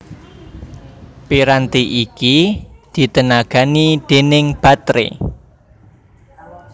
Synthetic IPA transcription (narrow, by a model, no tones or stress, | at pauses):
piɾant̪iʔikid̪̥i̤t̪ənaɡ̥a̤nid̪̥e̤nɪŋb̥ä̤t̪ɾḛ